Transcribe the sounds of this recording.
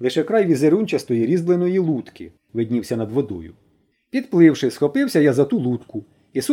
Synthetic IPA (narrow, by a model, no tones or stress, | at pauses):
lˠɪʃɛkɾɑjʋʲizeɾunʲt͡ʃʲɐst̪ɔjiɾʲizblˠɪnɔjilˠut̪kɪ̰ | ʋɪd̪ʲnʲiwsʲɐnɐd̪ʋɔd̪ɔ̰jʊ̰ | pʲid̪plˠɪwʃɪsxɔpɪwsʲɐjazɐt̪ulˠut̪kʊ | is